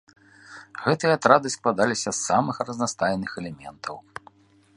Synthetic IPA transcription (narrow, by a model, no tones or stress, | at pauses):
ɣɛt̪ɨjɐat̪ɾad̪ɨsklˠad̪alʲisʲɐsːamɨxrɐznast̪ajnɨxɛlʲɛmʲɛ̰nt̪ʰɐw